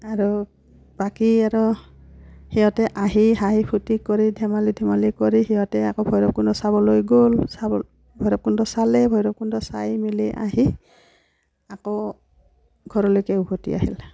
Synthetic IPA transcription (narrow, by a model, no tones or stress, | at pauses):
aɹu | b̥akiaɹɔ | hiɔtɛʔaɦiɦaipʰutikɔɹidʱɛmalidʱimalikɔɹihiɔtɛakobʱɔjɾɔp̚kundɔsabɔlojɡolsabɔ | bʱɔjɾɔp̚kundɔsalɛbʱɔjɾɔp̚kundɔsa̰jmiliʔa̰ɦi | ako | ɡʱɔɹɔlojkɛubɔtḭa̰ɦḭl